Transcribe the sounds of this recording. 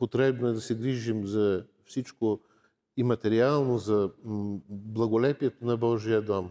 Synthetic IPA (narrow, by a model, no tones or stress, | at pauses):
pot̪ɾɛbnoɛd̪ɐsɛɡɾiʒimzɐ | fsit͡ʃko | imɐt̪ɛɾialˠnozɐ | blˠɐɡolɛpiɛt̪onɐbɔʒijəd̪ɔm